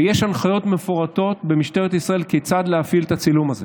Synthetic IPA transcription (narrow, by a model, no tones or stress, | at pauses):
jeʃanχajo̞t̪me̞foʁato̞t̪be̞miʃt̪e̞ʁet̪isʁae̞lket͡sad̪leafilet̪at͡silumaze